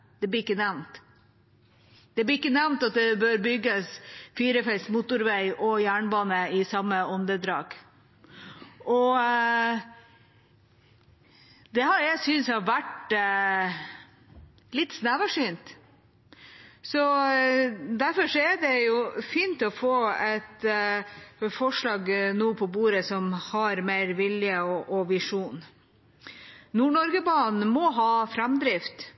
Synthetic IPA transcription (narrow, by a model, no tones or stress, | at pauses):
d̪̥ɛblɪɾɪkːənæʋnt̪ | d̪̥ɛblɪɪkːənæʋnt̪ɑt̪̚d̪ɛbøːɾbʏɡːəsfiːɾəfɛlsmʊt̪ʊɾʋæɪʔɔjæːɳbɑːnəɪsɑmːəɔnd̪əd̪ɾɑːɡ̥ | ɔ | d̪ɛhɑɾjæɪsʏnshɑʋæʈ | lɪt̪ːsnæːʋɑʂyːnt̪ | sɔ | d̪æɾfɔʂɔæɖɛjʊfiːnt̪ɔfoːɛt̪ | fɔʂlɑːɡnuːpʰɔbuːɾəsɔmhɑɾmeɪɾʋɪljəɔʔɔʋɪʂuːn | nuːɳɔɾɡəbɑːnmɔɦɑːfɾɑmd̪ɾɪft̪